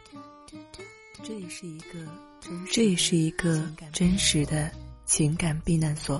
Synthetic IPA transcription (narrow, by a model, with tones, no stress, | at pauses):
ʈ͡ʂɤ˥˩˧ʂɻ̩˥˩i˧˥ɡə˧ | ʈ͡ʂɤ˥˧ʂɻ̩˥˩i˧˥ɡə˧ʈ͡ʂə˥nʂɻ̩˧˥d̪ə˧t͡ɕʰi˧˥ŋka˨˩npi˥˧na˥˩nswɔ˨˩˦